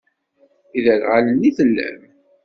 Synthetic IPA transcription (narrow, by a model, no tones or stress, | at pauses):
iðəlʁaləniθəlːæ̰m